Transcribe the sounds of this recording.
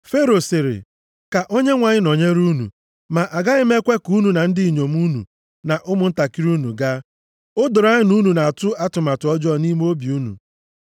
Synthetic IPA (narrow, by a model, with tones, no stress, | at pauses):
fe˦ɾo˨sɪ˨ɾɪ̰˨ | ka˨ʔo˦ɲe˦ŋʷa˨ɲɪ˦no˨ɲe˦ɾu˦nṵ˨ | ma˨ʔa˨ɡa˦ɪ˦me˦kʷe˦ku˦nu˨na˨n̩˦dɪ˦i˨ɲo˨m˦u˦nṵ˨ | na˨ʔʊ˦mʊ˨n̩˦ta˨ki˦ɾu˦nṵ˨ɡa˦ | ʊ˦dʊ˨ɾa˦ɲɪ˦nu˦nu˨na˨tʊ˦a˦tʊ˨ma˨tʊ˨ɔ˦d͡ʒɔ˦˨ni˦m˦o˦bi˨u˦nṵ˨